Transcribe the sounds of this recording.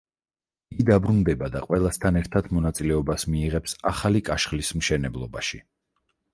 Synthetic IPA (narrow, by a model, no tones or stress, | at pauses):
iɡid̪abɾund̪ɛbad̪a̰qʼwɛlˠast̪ʰanɛɾt̪ʰad̪mɔnat̪sʼilɛɔbasmiːʁɛpsaχalikʼaʃχlismʃɛnɛblˠɔbaʃi